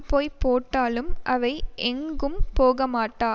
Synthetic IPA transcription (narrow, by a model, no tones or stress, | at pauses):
poːjpoːʈːaːlɯmʔɐʋɐɪʔɛŋɡɯmpoːɣɐmaːʈːaː